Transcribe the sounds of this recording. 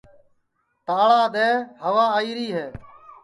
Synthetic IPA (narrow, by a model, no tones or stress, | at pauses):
t̪aːɭaːd̪eːɦəʋaːaːiːɾiːɦeː